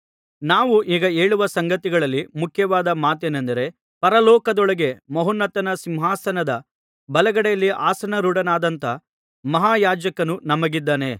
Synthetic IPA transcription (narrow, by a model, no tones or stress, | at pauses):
naːʋuʔiːɡɐe̞ːɭuʋɐsɐŋɡɐt̪iɡɐɭɐlːimukʰjɐʋaːd̪ɐmaːt̪eːnɐnd̪ɐɾe̞ | pɐɾɐlɔːkɐd̪ɔɭɐɡe̞mɐɦunːɐt̪ːɐnɐsimɦaːsɐnɐd̪ɐ | bɐlɐɡɐɽɛjɐlːiʔaːsɐnɐɾuɽɐnaːd̪ɐnt̪ɐ | mɐɦaːjaːd͡ʒɐkɐnunɐmɐɡid̪ːaːne